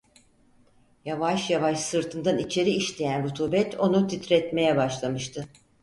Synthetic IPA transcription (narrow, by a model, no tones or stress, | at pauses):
javaʃjavaʃsɯɾt̪ʰɯnd̪anit͡ʃʰe̞ɾiiʃlʲe̞jænɾut̪ʰuːbɛt̪ʰo̞nut̪ʰit̪ɾɛt̪me̞jɛbaʃlˠamɯʃt̪ʰɯ